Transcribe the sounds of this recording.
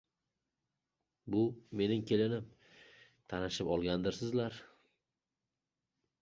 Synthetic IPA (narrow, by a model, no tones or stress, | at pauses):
bʊme̞nɪŋkʲʰe̞lɪnɪm | t̪ʰanɪʃɪpɒlˠɡʲand̪ɪɾsɪzlaɾ